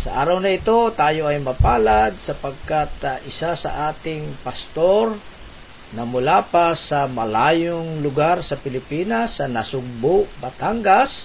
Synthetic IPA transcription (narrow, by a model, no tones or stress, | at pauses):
sɐ̰ʔaːɾɐwnɐɪt̪o̞t̪aːjoɐjmɐpaːlad̪sɐpɐɡ̚kat̪ʔɪsasɐ̰ʔaːt̪ɪŋpɐst̪oɾ | nɐmʊlaːpɐsɐmɐlaːjʊŋlʊɡaɾsɐpɪlɪpiːnasːɐnɐsʊɡ̚bʊʔbɐt̪aŋɡas